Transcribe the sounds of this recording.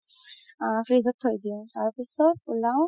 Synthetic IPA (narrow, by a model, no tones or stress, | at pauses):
pʰɹizɔt̪hojd̪iʊ̃t̪aɹpisɔt̪ulaw